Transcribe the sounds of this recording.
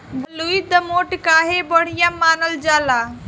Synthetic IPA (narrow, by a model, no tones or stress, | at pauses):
bɐluid̪əmoːʈkaːɦebəɽ̤ijãːmaːnəld͡ʒaːlaː